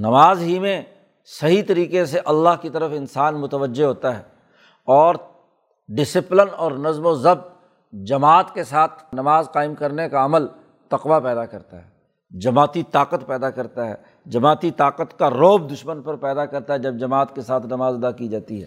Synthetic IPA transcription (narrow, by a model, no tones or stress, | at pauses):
nɐmaːzɦimẽ | sɐɦit̪ɐɾiːqes̬eʔɐlːaɦkit̪ɐɾəfɪnsaːnmʊt̪əʋəd͡ʒːeɦoːt̪aɦɛː | ɔːɾ | ɖɪsɪplənɔːɾnɐzmozɐb̚t̪ | d͡ʒɐmaːt̪kesaːt̪ʰnɐmaːzqaːɪmkɐɾnekaɐməl | t̪ɐqʋapɛːd̪akɐɾt̪a̰ɦɛː | d͡ʒɐmaːt̪it̪aːqət̪pɛːd̪akɐɾt̪aɦɛ̰ː | d͡ʒɐmaːt̪it̪aːqət̪kaɾoːb̚d̪ʊʃmənpɐɾpɛːd̪akɐɾt̪aɦɛd͡ʒɐb̚d͡ʒɐmaːt̪kesaːt̪ʰnɐmaːzɐd̪akid͡ʒaːt̪iɦɛ̰ː